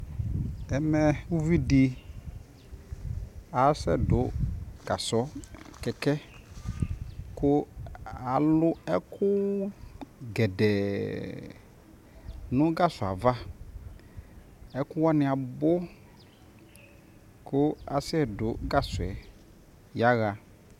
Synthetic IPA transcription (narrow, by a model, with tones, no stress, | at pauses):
ɛ˨mɛ˨u˦vi˦di˨ | a˨˦sɛ̰˦dʊ˨ɡ̥a˨sɔ˦kɛ˨kɛ˦ | kʊ˦a˨lʊ˦ɛ˦kʰʊ˦ | ɡɛ˨dɛ˨ | nʊ̃˦ɡa˦sʊ˨a˨va˦ | ɛ˦kʊ˦wa˦nɪ˨a˨bʊ˦ | kʊ˦a̰˨sɛ˦˨dʊ˨˦ɡa˦sʊ˨ɛ˨ | ja˦ɣa˨